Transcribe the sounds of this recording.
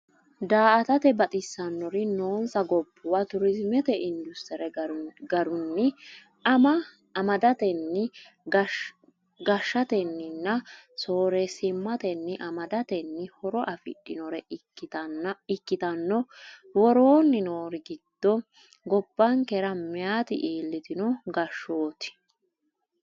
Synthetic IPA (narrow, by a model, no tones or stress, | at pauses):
d̪aːʔɐt̪ɐt̪ɛbɐt̪ʼɪsːɐnːɔɾɪno̞ːnsɐɡɔbːʊwɐt̪ʊɾɪzmɛt̪ɛɪnd̪ʊst̪ɛɾɛɡɐɾʊnːɪ | ɐmɐ | ɐmɐd̪ɐt̪ɛnːɪ | ɡɐʃːɐt̪ɛnːɪnːɐso̞ːɾɛsɪmːɐt̪ɛnːɪʔɐmɐd̪ɐt̪ɛnːɪhɔɾɔʔɐfɪ̰ɗːɪnɔɾɛ | ɪkːɪt̪ɐnːɔwɔɾoːnːɪno̞ːɾɪɡɪd̪̥ːɔ | ɡɔbːɐŋkɛɾɐmɪjaːt̪ɪ̰ʔiːlːɪt̪ɪnɔɡɐʃːoːt̪ɪ̥